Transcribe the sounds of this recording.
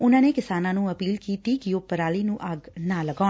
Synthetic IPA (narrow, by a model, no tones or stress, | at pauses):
ʊnãːneːkɪsaːnãːnũːəpiːlkiːt̪iːkɪjoːpəɾaːliːnũːʔaɡnãːləɡaː